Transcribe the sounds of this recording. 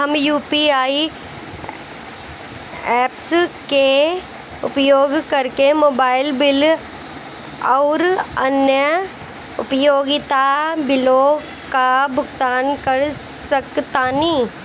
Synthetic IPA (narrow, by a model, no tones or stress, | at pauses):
ɦɐmjuːpiaːi | ɛːpske | ʊ̰pjoːɡkɐɾkemoːbaːɪlbɪl | ɔːɾɐ̰njə | ʊ̰pjoːɡɪt̪abɪlo | kabʱʊɡt̪aːnkɐɾ | sɐkt̪aːnĩː